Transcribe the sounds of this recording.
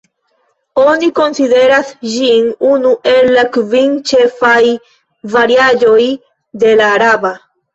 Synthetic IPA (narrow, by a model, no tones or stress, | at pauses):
onikonsiðeɾasʒiŋunuʔelakviŋt͡ʃefaj | vaɾjaʎoj | d̪elaɾaβa